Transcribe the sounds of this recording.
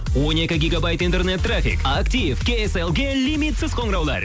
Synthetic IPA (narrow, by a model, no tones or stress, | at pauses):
wo̞ne̞kʲɪɡʲiɡabajt̪int̪e̞rnet̪ːrafḭkakt̪ivkʲeeselˠɡʲelʲimit̪sɪz̥qʰo̞ɴɾɑwlˠɑ̰ɾ